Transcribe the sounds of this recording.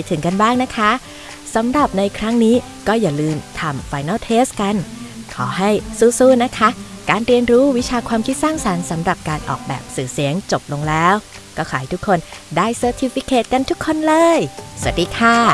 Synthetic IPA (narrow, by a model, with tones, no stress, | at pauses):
jt̪ʰɯ˩˦ŋka˧nbaː˥˩ŋna˦˥kʰa˦˥ | sa˩˦mɾa˨˩p̚na˧jkʰɾa˦˥ŋniː˦˥ | kɔː˥˩jaː˨˩lɯː˧mt̪ʰa˧mfaː˧jna˥˩wt̪ʰeː˦˥ska˧nkʰɔː˩˦ɦa˥˩jsuː˥˩suː˥˩na˦˥kʰa˦˥kaː˧nɾi˧ənɾuː˦˥wi˦˥t͡ɕʰaː˧kʰwaː˧mkʰi˦˥t̪̚saː˥˩ŋsa˩˦nsa˩˦mɾa˨˩p̚kaː˧nʔɔ̰ː˨˩k̚bɛ̰ː˨˩p̚sɯː˨˩si˩˦əŋt͡ɕo˨˩p̚lo˧ŋlɛː˦˥w | kɔː˥˩kʰɔː˨˩˦ha˥˩jt̪u˦˥kʰːo˧ndaː˥˩jsəː˧t̪ʰi˧fi˦˥kʰːeː˨˩t̪̚ka˧nt̪ʰu˦˥kʰːo˧nlɤː˧jsa˧˩˨t̪̚diː˧˩kʰaː˥˩